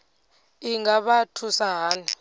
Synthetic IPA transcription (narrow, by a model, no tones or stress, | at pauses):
iŋɡaɓatʰusaɦaːna